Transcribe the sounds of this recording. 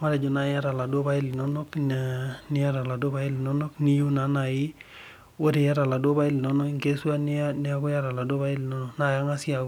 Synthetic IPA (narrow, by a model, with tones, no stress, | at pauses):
ma˦ɾɛ˨d͡ʒɔ˨na˦˨ja˦ɾa˨la˨do˦ba˦ɪ˦li˨nɔ˦nɔ˦k | nɪ˦ja˦ɾa˨la˨do˦ba˦ɪ˦lɪ˨nɔ˦nɔ˦kni˦ju˦na˨˦na˨jɪ˦ | wo˦ɾe˨ja˦ɾa˨la˨do˦ba˦i˦lɪ˨nɔ˦nɔ˦kŋɡe˦swa˦n˦nɪ˦a˦ɡɔ˦ja˦ɾa˨la˨do˦βa˦ɪ˦lɪ˨nɔ˦nɔ˨kna˨ja˦ŋa˦si˦a˨